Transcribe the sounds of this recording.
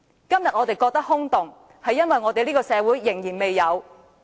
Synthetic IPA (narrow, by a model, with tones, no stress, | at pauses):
kɐ˥mjɐ˨t̚ŋɔː˨˧t̪e˨˩jkɔː˧k̚t̪ɐ˥k̚hʊ˥ŋt̪ʊ˨ŋ | hɐ˨jɐ˥nwɐ˨jŋɔː˨˧t̪e˨jliː˥kɔː˧sɛː˨˧wuː˨˥jːɪ˨˩ŋjiː˨˩nme˨jːɐ˨˧w